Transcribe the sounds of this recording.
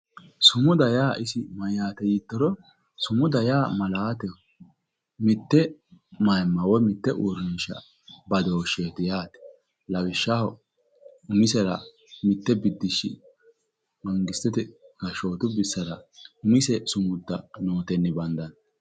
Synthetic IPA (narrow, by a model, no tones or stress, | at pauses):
sʊmʊd̪ɐjaːʔɪsɪmɐjaːt̪ɛjit̪ːɔɾɔ | sʊmʊd̪ɐjaːmɐlaːt̪ɛ | mɪt̪ːɛmɐjmːɐwɔmɪt̪ːɛʔuɾʃɐ̰ | bɐd̪oːʃeːt̪ɪjaːt̪ɛ̥ | lɐwɪʃːahɔ | ʊmɪsɛɾɐ | mɪt̪ːɛbɪd̪ːɪʃːɪ̰ | mɐŋɡɪst̪ːɛt̪ɛkɐʃoːt̪ʊbɪsːɐɾɐʊmɪsɛsʊmʊd̪ːɐ̰noːt̪ɛnːɪbɐnd̪ɐn